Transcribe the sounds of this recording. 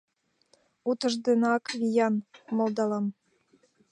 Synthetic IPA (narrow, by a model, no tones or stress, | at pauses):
ut̪ə̆ʒd̪enɑkβijɑnmŏld̪ɑlɑm